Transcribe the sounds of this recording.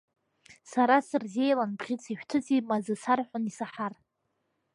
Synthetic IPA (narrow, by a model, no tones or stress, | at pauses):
saɾasɨrze̞jlanbʁʲit͡sʰiʃᶣtʰɨt͡sʼimazɨsarħʷʊnisaħar